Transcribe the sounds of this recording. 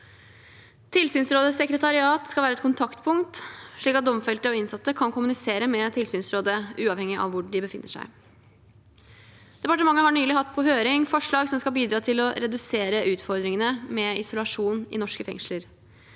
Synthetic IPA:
t̪ʰɪlsyːnsɾoːd̪əsɛkɾət̪ʰɑɾɪɑːt̪skɑlæːɾɛt̪̚kʰʊnt̪ʰɑkt̪pʰʊŋt̪ʂɭiːkɑt̪̚d̪ɔmfɛlt̪əɔɪnsɑt̪ːəkʰɑnkʰʊmʉnɪseːɾəmɛt̪ʰɪlsyːnsɾoːd̪əʔʉːɑːʋhɛŋːɪʔɑ̰ʋʋʊɖɪbəfɪnːəʂæ̰ɪ | d̪̥ɛpɑʈəmɑŋːəhɑɳyːlɪhɑt̪ːpʰɔɦøːɾɪŋfɔʂɭɑːɡsɔmskɑlbiːd̪ɾɑːt̪ʰɪlɔɾɛd̪ʉseːɾəʔʉːt̪fɔɾd̪ɾɪŋənəmɛɪsʊlɑʂuːnɪ̰nɔʂkəfɛ̰ŋʂləɾ

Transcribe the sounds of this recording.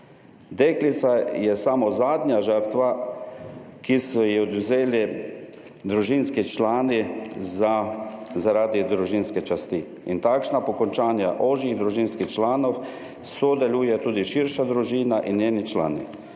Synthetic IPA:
d̪eːklit̪sajɛsamɔzaːd̪ɲaʒəɾt̪ʋa | kisɔjɛɔd̪uzeːli | d̪ɾuʒinskit͡ʃlaːnizazaɾaːd̪id̪ɾuʒinskɛt͡ʃast̪i | int̪akʃnapɔkɔnt͡ʃaːnja̰ʔoʒiɣd̪ɾuʒiːnskixt͡ʃlaːnɔw | sɔd̪ɛlujɛt̪uːd̪iʃiɾʃad̪ɾuʒiːnaʔinjeːnit͡ʃla̰ːni

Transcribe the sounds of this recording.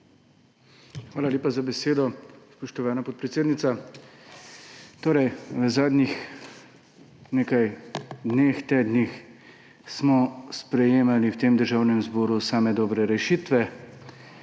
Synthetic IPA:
xʋaːlalʲjeːpazabɛseːd̪ɔspɔʃt̪ɔʋaːnapɔt̪̚pɾɛt̪seːd̪nit̪sa | t̪oːɾɛjʋəzaːd̪nix | neːkajd̪neːxt̪eːd̪nix | smɔspɾɛjeːmaliwt̪eːmd̪əɾʒaːwnɛmzbɔːɾusaːmɛd̪ɔbɾɛɾɛʃiːt̪ʋɛ

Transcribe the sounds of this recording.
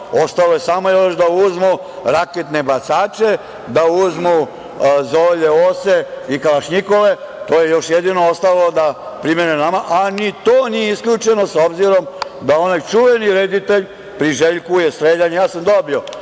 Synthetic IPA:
ost̪alo̞jesamo̞joʃd̪auzmu | ɾaket̪ne̞bat̪saːt͡ʃe̞ | d̪auzmu | zoːʎeoseikalaʃɲiko̞le̞ | t̪o̞ːje̞jo̞ʃjed̪ino̞ost̪aʋalod̪a | pɾimenenamaʔanit̪oːnijeiskʎʲuːt͡ʃe̞no̞so̞bziɾo̞m | d̪ao̞najt͡ʃuʋe̞niɾed̪it̪eʎ | pɾiʒeʎkujest̪ɾeʎaɲejaːsamd̪o̞bio̞

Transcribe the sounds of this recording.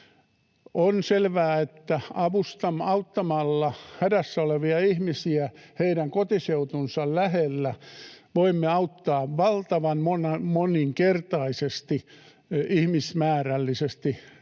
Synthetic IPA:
onselʋæːet̪ːæɑʋust̪ɑmɑut̪ːɑmɑlːɑhædæsːæoleʋiɑihmisiæheiɾæŋkot̪iseut̪unsɑllæhelːæʋoimːeɑut̪ːɑːʋʋɑlt̪ɑʋɑnmonɑmoniŋkert̪ɑisest̪i | ihmismæːrælːisest̪i

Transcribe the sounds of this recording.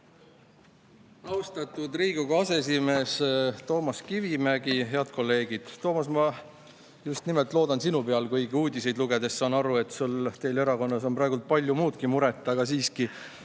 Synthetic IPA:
ɑwst̪ɑt̪ˑud̪riːɡuɡ̥ɑɑse̞es̬ime̞ːst̪o̞ːmɑskivimæɡ̥iɦe̞ɑd̪̚kʰo̞lːe̞ːɡ̥id̪̥t̪ːo̞ːmɑsmɑ | just̪nimelt̪ˑlo̞ːd̪ɑnsinupe̞ɑlkɤjɡiuːd̪ise̞jd̪luɡe̞d̪̥e̞ssɑːnɑɾue̞t̪sult̪e̞jle̞ɾɑko̞nːɑs̬o̞mprɑeɡult̪̚pɑlʲjumuːd̪̥kimuɾe̞t̪ːˑɑɑɡ̥ɑsiːski

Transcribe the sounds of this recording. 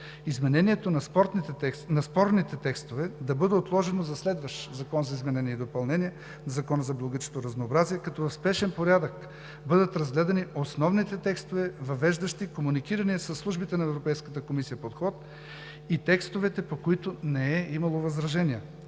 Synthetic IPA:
izmɛnɛniɛt̪onɐspɔɾt̪nit̪ɛɛnɐspɔɾnit̪ɛt̪ɛkst̪ovɛd̪ɐbɤd̪ɛot̪lˠɔʒɛnozɐslɛd̪vɐʃt̪zɐkɔnzɐizmɛnɛnʲiɛid̪opɐlˠnɛniɛ | nɐzɐkɔnəzɐblˠɐɡət͡ʃe̥t̪oɾɐznoːbɾaziɛkɐt̪ɔvɐfspɛʃɛnpoɾʲad̪ək | bɤd̪ət̪ɾɐzɡlɛd̪ɐniosnɔvnit̪ɛt̪ɛkst̪ovɛvɐvɛʒd̪ɐʃt̪ikomunikiɾɐniɐsəsːlˠuʒbit̪ɛnɐɛvɾopɛjskət̪əkomisijɐpot̪xɔt̪̚ | it̪ɛkst̪ovɛt̪ɛpokoit̪ʊnɛɛimɐlˠovɐzɾɐʒɛniə

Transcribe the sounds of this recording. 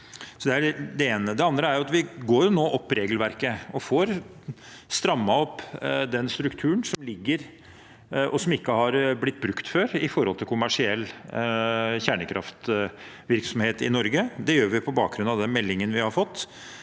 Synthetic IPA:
sɔd̪ɛæd̪ɛeːnəd̪ɛɑnd̪ɾəæɾjʊɑt̪ʋɪɡoːɾjʊnoːʔɔpːɾeːɡəlʋæɾkəɔfoːɾ | st̪ɾɑmːɑɔpːd̪ɛnst̪ɾʉkt̪ʰʉːnsɔmlɪɡːəɾ | ʔɔsɔmɪkːəhɑɾblɪt̪ːbɾʉkt̪føːɾɪfɔɾhɔlt̪ɪlkʰʊmæʂɪɛlː | çæɳəkʰɾʔɑ̰ft̪ | ʋɪɾksɔmheːt̪ɪnɔɾɡəd̪ɛjøːɾʋɪpʰɔbɑ̰ːk̚ɡɾʉnɑd̪ɛnmɛlːɪŋənʋɪhɑɾfɔt̪ː

